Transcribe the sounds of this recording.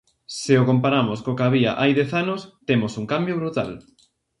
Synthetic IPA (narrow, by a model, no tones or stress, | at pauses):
sɪokompaɾamoskokaβia̰ʔajðɛθanʊst̪emosuŋkambjoβɾut̪a̰l